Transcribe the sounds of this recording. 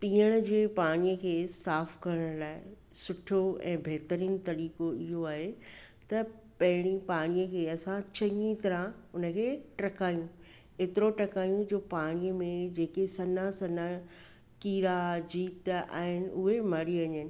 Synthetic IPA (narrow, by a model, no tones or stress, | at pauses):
piːəɽ̃ə̆d͡ʑeːpaːɽ̃ijəkʰeːsaːfkɐɾəɽə̃ɽ̃laːɪ | sʊʈʰoɛ̰̃ːbʱeɦt̪əɾiːnt̪ɐɾiːkoɪɦoaːɦe | t̪ɐ | pɐɦɪɽ̃ipaːɽ̃ijəkʰeːɐsãt͡ɕɐ̃ŋĩt̪ɐɾãʊnə̆kʰeːʈɐkaːjũ | eːt̪ɪɾoʈɐkaːjũd͡ʑoːpaːɽ̃ijəmẽd͡ʑeːkesɐnasɐna | kiːɾad͡ʑiːt̪a̰ːɦɪnɪ̆ʊɦemɐɽiʋɐɲənɪ̆